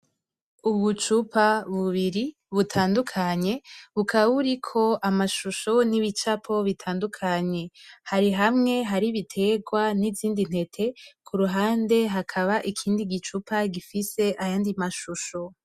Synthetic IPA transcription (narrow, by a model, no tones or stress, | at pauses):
uβut͡ʃupʰaβuβiɾi | βutʰaːndukʰaɲe̞βukʰaβaβuɾikʰo̞amaʃuʃo̞niβit͡ʃapʰo̞βitʰaːndukʰaɲe̞haɾiɦamŋe̞ɦaɾiβitʰe̞ɡwaniziːndin̥he̞tʰe̞kʰuɾuɦaːnde̞ɦakʰaβaʔikʰiːndiɡit͡ʃupʰaɡifise̞ʔajaːndimaʃuʃo̞